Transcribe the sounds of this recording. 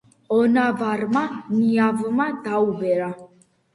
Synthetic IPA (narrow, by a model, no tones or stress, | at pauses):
ɔnavaɾmaniavmad̪aubɛɾa